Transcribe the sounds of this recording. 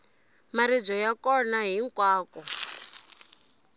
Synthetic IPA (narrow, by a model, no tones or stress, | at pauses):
maɾid͡zɔjakɔnaɦiŋkwaːkɔ